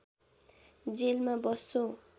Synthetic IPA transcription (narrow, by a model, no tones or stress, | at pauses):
d͡zelmabʌsːõ